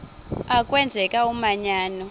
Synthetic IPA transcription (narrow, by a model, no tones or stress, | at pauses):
akʼwɛnd͡zʱɛkʼaumaɲaːnɔ